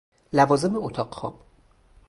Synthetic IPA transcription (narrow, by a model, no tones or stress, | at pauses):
lævɒːzemeot̪ʰɒːqxɒ̰ːb̥